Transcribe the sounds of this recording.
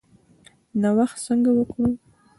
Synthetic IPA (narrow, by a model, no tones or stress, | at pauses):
nawaxt̪səŋɡawəkɽu